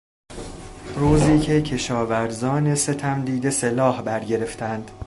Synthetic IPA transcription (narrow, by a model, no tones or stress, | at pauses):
ɾuːziːcʰe̞cʰe̞ʃɒːvæɾzɒːne̞se̞t̪ʰæmd̪iːd̪e̞se̞lɒːhbæɾɟe̞ɾe̞ft̪ʰænd̪̥